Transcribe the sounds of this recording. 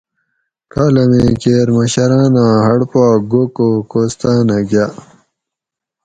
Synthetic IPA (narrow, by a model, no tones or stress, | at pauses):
kaːlɐmeːkeːɾmɐɕɐɾaːnãɦɐɽpaːɡokoːkoːst̪aːnaɡja